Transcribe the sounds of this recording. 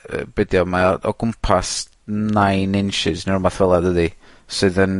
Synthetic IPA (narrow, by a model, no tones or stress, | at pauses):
ə̰b̥ɛdjɔmaɔ̰ɡʊmpʰas | najnɪnʃɪznɪrmaθwɛlˠadəðisɨːðən